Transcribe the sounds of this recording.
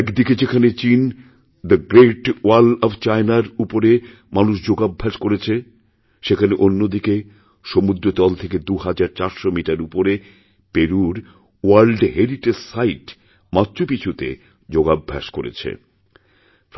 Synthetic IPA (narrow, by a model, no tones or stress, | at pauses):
kd̪iked͡ʑekʰanet͡ɕin | d̪əɡɾeʈwalɔbt͡ɕaenaɾupoɾe | manuʃd͡ʑoɡabʱːaʃkoɾet͡ɕʰe | ʃekʰaneʔonːod̪ike | ʃomud̪ɾot̪ɔlt̪ʰeked̪uɦad͡ʑaɾt͡ɕaɾʃomiʈaɾupoɾe | peɾuɾ | ualɖɦeɾiʈessajʈ | mat̪ːɕopit͡ɕʰut̪ḛ | d͡ʑoɡabʱːa̰ʃkoɾḛt͡ɕʰḛ